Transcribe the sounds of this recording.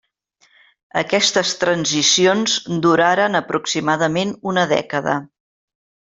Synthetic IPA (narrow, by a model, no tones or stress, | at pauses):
ə̰kɛst̪əst̪ɾənzisionzd̪uɾaɾənəpɾuksimaðəmenunəðɛ̰kəðə̰